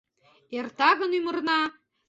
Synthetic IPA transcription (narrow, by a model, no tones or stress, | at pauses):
ert̪ɑɣə̆nymə̆rnɑ